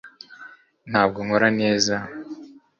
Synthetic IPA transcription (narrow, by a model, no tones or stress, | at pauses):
n̥haːb̚ɡoŋoɾane̞ːza